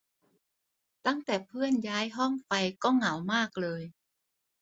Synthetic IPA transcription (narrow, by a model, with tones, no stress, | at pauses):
t̪a˥˩ŋt̪ɛː˨˩pʰɯ˥˩ənjaː˦˥jɦɔ˥˩ŋfa˧jkɔː˥˩ŋa˨˩˦wmaː˥˩k̚lɤː˧j